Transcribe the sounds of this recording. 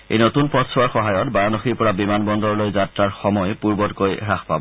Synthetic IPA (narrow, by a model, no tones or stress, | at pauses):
ḛjnotunpɔtsʰɔwaɹxɔɦajɔtbaɹanɔxiɹpɔɹabimanbɔndɔɹlojzatɹaɹxɔmɔjpuɹbɔtkojɹaxpa̰bɔ